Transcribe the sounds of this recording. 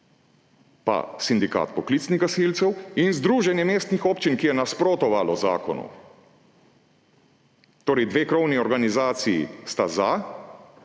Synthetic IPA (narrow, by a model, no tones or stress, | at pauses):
pa̰sind̪ika̰ːt̪pɔklit̪sniɣɡasilt̪sɛwinzd̪ɾuːʒɛnjɛmeːst̪nixɔːpt͡ʃinkijɛnaspɾoːt̪ɔʋalɔza̰ːkɔnṵ | t̪oːɾɛjd̪ʋeːkɾɔwniɔɾɡanizaːt̪sijḭst̪aza